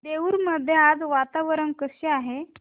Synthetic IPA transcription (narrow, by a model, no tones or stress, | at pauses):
d̪eʋuːɾməd̪ʱːjead͡zʋat̪aʋəɾənkəɕeaɦe